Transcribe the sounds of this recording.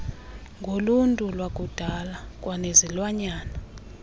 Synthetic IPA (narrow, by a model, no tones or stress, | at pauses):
ŋɡʱoluntʼulwak̬ʼud̥ʱalak̬ʼwʔanezilwaɲaːna